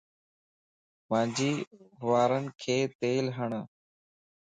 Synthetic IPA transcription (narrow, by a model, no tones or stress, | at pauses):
mãːɲd͡ʒiːɦʊʋaːɾənkʰeːt̪eːlɦəɳ